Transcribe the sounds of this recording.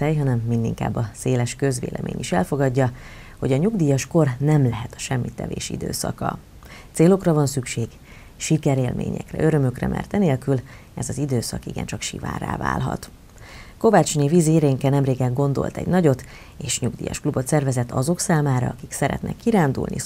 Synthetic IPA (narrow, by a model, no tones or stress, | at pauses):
ɛjɦɒnɛmːind̪iŋka̰ːbːɒseːlɛʃkø̞zvḛːlʔɛ̰mʔḛːɲiʃɛlfo̞ɡɒɟːɒ | ho̞ɟɒɲuɡd̪iːjɒʃko̞rnɛmlɛɦɛt̪ɒ̥ʃɛmːit̪ːɛ̰vḛːʃḭd̪ø̰ːsɒkɒ̰ | t̪seːlo̞krɒvɒnsykʃeːɡ̥ | ʃikɛɾeːlmʔḛːɲɛ̰krɛ̰ʔøɾø̞møkrɛ̰mʔɛ̰rt̪ɛneːlkyl | ɛzɒzid̪øːsɒkiɡɛ̰nt͡ʃɒkʃḭva̰ːra̰ːva̰ːlɦɒ̰t̪ | ko̞vaːt͡ʃnivizeːɾeːŋkɛnɛmreːɡɛɡo̞nd̪o̞̰lt̪ɛ̰ɟnɒɟo̞t̪ | eːʃɲuɡd̪iːjɒ̰ʃklubot̪sɛrvɛzɛt̪ːɒzo̞ksaːmaːɾɒ̰ɒkiksɛɾɛ̰t̪nɛ̰kːiɾaːnd̪ṵlni